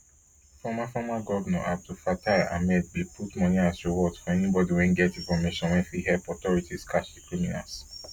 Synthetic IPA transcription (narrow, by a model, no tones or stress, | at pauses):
fɔmafɔmaɡɔvɛnɔ̰ʔa̰p̚tufataa̰mɛd̚bilpʰutmɔ̃nĩazɹiwɔdfɔɛnibɔdiwɛ̃nɡɛtĩnfɔmeʃɔ̃nwɛ̃nfiɦɛpɔtɔɹitiskʰat͡ʃdikɹimina̰s